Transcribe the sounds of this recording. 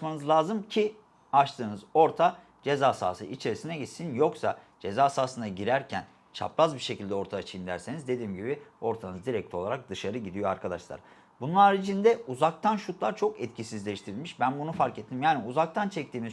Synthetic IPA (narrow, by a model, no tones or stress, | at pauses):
manɯzlˠaːzɯmcʰi | at͡ʃt̪ʰɯːnɯzo̞ɾt̪ʰa | d͡ʒe̞zaːsa̰ːsɯ̰it͡ʃʰe̞ɾisinɛɟit̪sinjo̞ksa | d͡ʒe̞zaːsaːsɯnd̪aɟiɾæɾcʰæn | t͡ʃʰa̰plˠazbiɾʃe̞cʰilʲd̪ɛo̞ɾt̪ʰaat͡ʃʰijind̪æɾse̞nizd̪e̞d̪iːmɟibio̞ɾt̪ʰanɯzd̪iɾɛc̚lʰʲo̞lˠaɾak̚d̪ɯʃaɾɯɟid̪ijo̞aɾkʰad̪aʃlˠa̰ɾ | bununaɾit͡ʃʰind̪ɛuzak̚t̪ʰanʃut̪ʰlˠaɾt͡ʃʰo̞kɛt̪cʰisizlʲeʃt̪ʰiɾilʲmiʃbænbunufaɾkɛt̪ʰːimjaːniuzak̚t̪ʰant͡ʃʰɛc̚t̪ʰiːmiz